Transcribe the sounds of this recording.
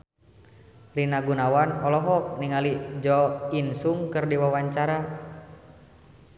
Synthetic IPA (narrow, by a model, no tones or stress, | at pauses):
rinaɡunawanɔlɔɦɔk̚niŋalid͡ʒɔinsuŋkɨrdiwawaɲt͡ʃaɾa